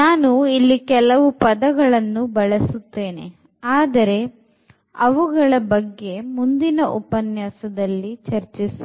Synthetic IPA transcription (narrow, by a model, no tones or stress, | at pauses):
naːnuilːikɛlɐʋupɐd̪ɐɡɐɭɐnːubɐɭɐsut̪ːe̞ːne̞̰ | aːd̪ɐɾe̞ | ɐʋuɡɐɭɐbɐɡːe̞mund̪inɐʔṵpɐnjaːsɐd̪ɐlːit͡ʃɐɾt͡ʃisu